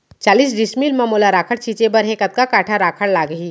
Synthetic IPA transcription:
t͡ʃaːliːs̬ɖɪsmiːlmamoːlaɾaːkʰəɽt͡ʃʰiːt͡ʃebɐɾɦẽkɐt̪̚kakaːʈʰaɾaːkʰəɽlaːɡəɦiː

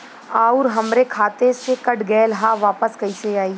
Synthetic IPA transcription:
aːʊɾɦɐmɾekʰaːt̪esekɐʈɡɛːlɦaʋaːpəskɐiseaːiː

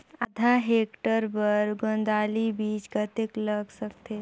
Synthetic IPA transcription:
əd̪ʱaɦekʈəɾpəɾɡõnd̪aːlibiːt͡ʃɡət̪ekləɡsək̚t̪e

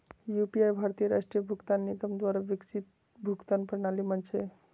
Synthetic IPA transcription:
jupiajbʱaɾt̪ijəɾaʂʈɾijəbʱukt̪anːiɡəmd̪waɾaʋikt͡ʃʰit̪ | bʱukt̪anpəɾnalimənt͡ʃʰe

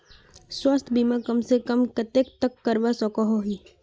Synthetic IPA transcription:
swɐst̪ʰbʱimakɐmsekəmkɐt̪ek̚t̪əkːəɾʋasɔkɔɦoɦiː

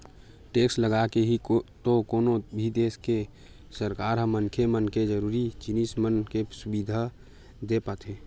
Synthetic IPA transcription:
ʈeːksləɡakeɦit̪okoːnobʱid̪eːske | səɾkaːɾɦə̃mːənkʰemənked͡ʒəɾuːɾit͡ʃinismənkesʊbiːd̪ʱa | d̪epət̪ɦeː

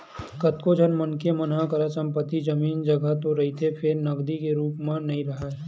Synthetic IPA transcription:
kɐt̪kod͡ʒʱənmɐnkemɐnãkɐɾasɐ̃mpət̪ːid͡ʒɐmiːnd͡ʒɐɡəɦt̪oɾɐɦit̪ʰepʰɪɾnɐɡd̪ikeɾuːpmãnɐɦĩɾɐɦaɦɛ

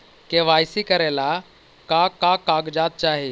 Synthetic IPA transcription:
keʋajsikəɾɛla | kakakaɡd͡ʑat̪̚t͡ʃaɦe

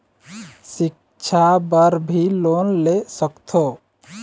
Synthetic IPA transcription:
sɪk̚ | t͡ʃʰabəɾbʱiloːnlesəkt̪ʰo

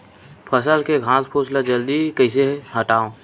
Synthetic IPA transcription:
pʰəsəlkeɡʱãːspʰoːslad͡ʒəld̪ikəɪseɦəʈaːõː

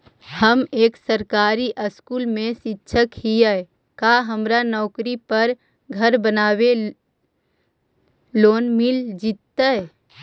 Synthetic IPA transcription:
həmeːksəɾkaːɾiʔəskuːlmẽsɪtːʃʰəkhiaɛ | kaːɦəmɾanɔːkɾipəɾ | ɡʱəɾbənaːwe | loːnmɪld͡ʒit̪ːaɛ

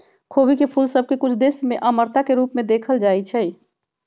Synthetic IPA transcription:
kʰoːbikepʰulsəb̚kekʊt͡ʃʰd̪eːsmẽʔəməɾt̪akeɾuːpmẽd̪eːkʰəld͡ʒaːit͡ʃʰɛ

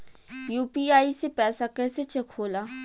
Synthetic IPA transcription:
juːpiaːisepɛːsakɛːset͡ʃɐkʰoːlaː

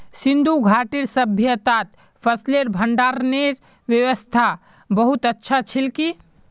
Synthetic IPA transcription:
sɪ̃nd̪uɡʱaːʈiɾsəbʱjət̪aːt̪ | fʰəsleɾbʱə̃ɳɖaːɾneɾ | ʋjəʋəst̪ʰa | bɐɦʊt̪ətːʃʰat͡ʃʰɪlki

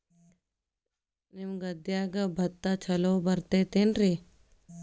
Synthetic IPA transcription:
nimɡɐd̪jaːɡɐbʱɐt̪ːat͡ʃʰɐloːbɐɾt̪et̪enɾi

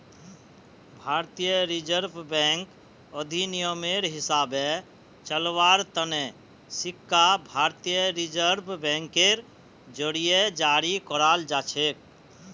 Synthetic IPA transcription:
bʱaɾt̪ijəɾid͡ʒəɾbʱbɛ̃ŋk | əd̪ʱinijəmeɾɦisabe | t͡ʃəlʋaɾt̪əne | sikːabʱaɾt̪ijəɾid͡ʒəɾbʱbɛ̃ŋkeɾ | d͡ʒəɽijed͡ʒaɾikɔɾald͡ʒat͡ʃʰek̚

